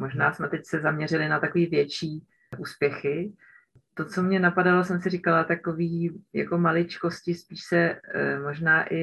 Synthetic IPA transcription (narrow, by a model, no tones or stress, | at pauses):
mo̞ʒnaːsmɛt̪ɛcsɛzamɲɛrɪlɪnat̪ako̞viːvjɛt͡ʃiː | ʔuːspjɛxɪ | t̪o̞t͡so̞mɲɛnapadalo̞sɛmsɪrikalat̪ako̞viːja̰ko̞malɪt͡ʃko̞scɪspiːʃsɛmo̞ʒnaːʔɪ